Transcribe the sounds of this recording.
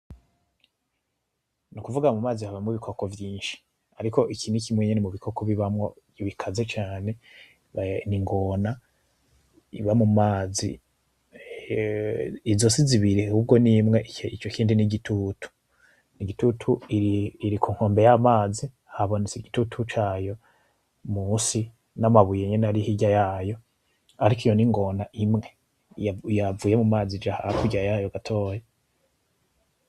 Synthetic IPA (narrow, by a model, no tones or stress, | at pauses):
nukuvuɡamumaːzihaβamuβikʰoko̞vjiːnʃi̥ | aɾiko̞ʔikiːnukimweɲenimuβikʰo̞koβiβamŋo | βikʰazet͡ʃaːne̞ | βaniŋɡo̞na | ḭβamumaːzḭ | izo̞siziβiɾihuːb̚ɡo̞nimŋe̞ʔit͡ʃo̞kiːndiniɡitʰutʰu̥ | niɡitutʰuiːɾikʰuːŋ̥hoːmbe̞jamaːzi | haβonit͡siɡitutʰut͡ʃaːjo̞ | musi | namaβujeɲenaɾihiɟajaːjo̞ | aɾikijo̞niŋɡo̞naʔimŋe̞ | javuːje̞mumaːzid͡ʒahaɾakuɟajajoɡatʰo̞ːja